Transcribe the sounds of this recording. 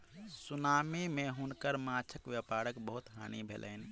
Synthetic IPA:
sunamimeɦunkəɾmat͡ʃʰəkʋjəpaɾəkbəɦut̪ɦa̰ːnibʱḛlʔə̰ni

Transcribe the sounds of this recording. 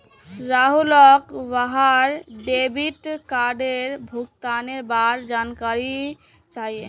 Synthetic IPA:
ɾaɦulɔkbaɦaɾɖebiʈkaɾɖeɾbʱuk̚t̪aneɾbaɾd͡ʒankaɾi | t͡ʃaje

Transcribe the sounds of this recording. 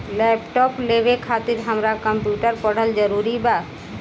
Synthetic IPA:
lɛpʈɔplebekʰat̪iɾɦəmɾakəmpjuʈəɾpəɽ̤əld͡ʒəɾuɾiba

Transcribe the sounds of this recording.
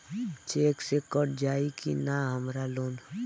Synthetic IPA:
t͡ʃeːksekəʈ̚d͡ʒaːikʰḭnaɦəmɾaloːn

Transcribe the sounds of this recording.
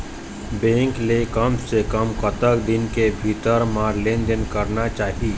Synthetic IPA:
bẽːŋklekəmsekəmkət̪əkd̪ɪnkebʱit̪əɾmaːɾlẽːnd̪ənkəɾnat͡ʃaːɦi

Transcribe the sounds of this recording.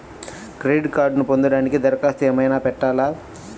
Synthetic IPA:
kɾeːɖkaːɾɖnupond̪ɐɽaːnikid̪ɐɾɐkaːst̪eːmɐjnaːpɛʈːaːlaː

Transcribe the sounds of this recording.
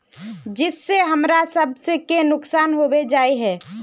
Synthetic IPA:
d͡ʒɪsːeɦəmɾasəb̚ʱsekenʊksaːnɦobed͡ʒaːeɦɛː

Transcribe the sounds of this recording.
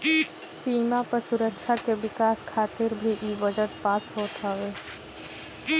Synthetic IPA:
siːmapɐɾsʊɾəkʃʰakeʋɪkaːskʰaːt̪ɪɾbʱiʔiːʋəd͡ʒəɽpaːsɦoːt̪aːʋeː

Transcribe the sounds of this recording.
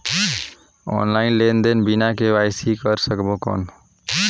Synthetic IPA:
ɔ̰nlaɪnlend̪enbinakeʋajsikəɾsəkbokɔ̰n

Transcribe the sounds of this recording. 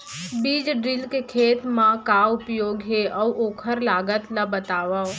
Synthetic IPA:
biːd͡ʒɖɾɪlkekʰeːt̪mãkaʊpjoːɡɦeʔɐwʔoːkʰəɾlaːɡət̪labət̪aːʋə

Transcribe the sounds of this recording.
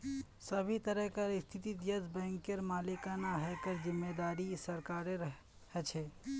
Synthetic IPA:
səbʱit̪əɾəɦkəɾɪst̪ʰɪt̪it̪jət̪bɛ̃ːŋkeɾmaːlɪkanaɦɛkəɾd͡ʒɪmːed̪aːɾisəɾkaːɾeɾə | hɛt͡ʃʰɛ

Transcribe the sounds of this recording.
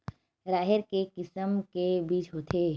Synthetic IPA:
ɾaːɦɪɾkekɪsəmkebiːt͡ʃɦoːt̪ʰeː

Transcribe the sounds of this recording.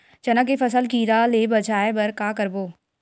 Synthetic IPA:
t͡ʃɐnak̬efɐs̬əlkiːɾalebɐd͡ʒaːebɐɾkakəɾboː

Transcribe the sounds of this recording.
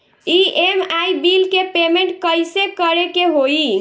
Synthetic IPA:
iemajbilkepemeɳʈkəjsekəɾekeɦoi

